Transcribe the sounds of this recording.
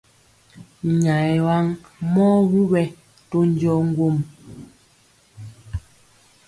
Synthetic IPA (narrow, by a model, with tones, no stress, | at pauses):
ɲa˨jwa˦ŋ | mɔː˦wu˦wɛ˦ | to˦n˦d͡ʒɔ˦ŋ̩˦ɡwo˦m